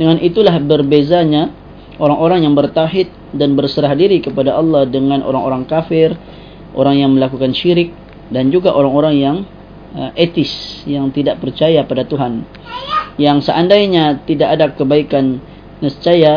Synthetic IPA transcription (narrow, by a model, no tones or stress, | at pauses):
dəŋanʔit̪ulahbərbezaɲa | ʔoɾaŋʔoɾaŋjaŋbərt̪aɦɪt̪̚danbərsəɾahdiɾikəpadaʔɑlːɑhdəŋanʔo̰ɾa̰ŋoɾaŋkafɪr | ʔo̰ɾaŋjaŋməlakukanʃiɾɪk̚ | dand͡ʒuɡaʔoɾaŋoɾaŋjaŋ | əʔet̪ɪsjaŋt̪idaʔpərt͡ʃajapadat̪uɦan | jaŋsəʔandaiɲat̪idaʔadakəbaikanː | əst͡ʃaja